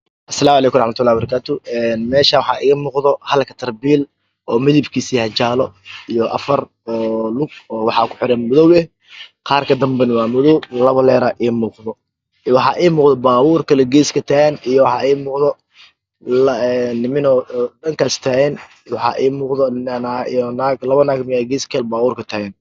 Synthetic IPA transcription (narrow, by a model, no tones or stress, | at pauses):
ʔɐsɐlaːmʊʕlɛːkʊmrɑħmɐt̪ʰʊlːaːbɐɾɐkʰaːt̪ʰʊɛːnmɛːʃaːwɑħɑ̰ːʔɪːɣɐmuːqðɔhɐlkʰɐ̥t̪ʰɐrbil | ʔɔːmɪðibkʰiːsiːhɐt͡ʃaːlɔijɔʔɐ̰fɐr | ɔːlʊɡ̚ɔːwɑħɑːkʰʊ̥ħɪɾɛnmʊðɔwɛ | qɑːrkʰɐd̪ɐmbɛnwɑːmʊðɔwlɐβɐlɛːɾɐʔiːmuːqðɔ | wɑħɑːʔiːmuːqðɔbaːβuːrkʰɐlɛɡɛːskʰɐt̪ʰaːɣɛnijɔwɑħɑːʔiːmuːqðɔ | nːɪmɪnɔɖɐŋkʰast̪ʰaːɣɛn | wɑħɑ̰ːʔiːmuːqðɔnaḭjnaːɡlɐβɐnaːɡmɪjaɡɛːskʰɐlɛbaːβuːrkʰɐt̪ʰaːɣɛn